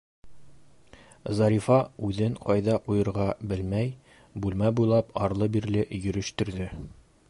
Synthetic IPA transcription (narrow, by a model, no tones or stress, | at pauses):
zɑɾʲifɑʉðɘɴqʰɒjd̪ɑqujɤ̆ɾʁɑbɘlmæj | bʉlmæbujlˠɑpɒɾlˠɤbiɾlɘʔjɵ̆ɾɵ̆ʃt̪ɵ̆ɾd̪ɘ